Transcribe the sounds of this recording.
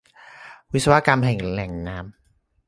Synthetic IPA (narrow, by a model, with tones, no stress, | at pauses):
wi˦˥t̪̚sa˧wa˦˥ka˧mɦɛ˨˩˦ŋlɛ˨˩˦ŋnaː˦˥m